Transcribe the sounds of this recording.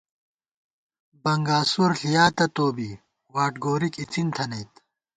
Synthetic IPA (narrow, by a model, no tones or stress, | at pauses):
bɐŋɡaːsuɾɬijaːt̪ɐt̪oːbi | waːʈɡoːɾikit͡sint̪ʰɐnɐjt̪